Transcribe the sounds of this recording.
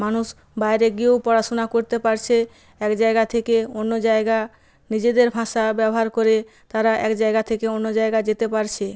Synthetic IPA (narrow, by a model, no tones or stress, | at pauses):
manuʃ | baeɾeɡiopɔɾaʃonakoɾt̪epaɾt͡ɕʰe | ɛkd͡ʑaeɡat̪ʰekeonːod͡ʑaeɡa | nid͡ʑed̪eɾbʱãʃabɛboɦaɾkoɾe | t̪aɾaʔɛkd͡ʑaeɡat̪ʰekeonːod͡ʑaeɡad͡ʑet̪epaɾt͡ɕʰe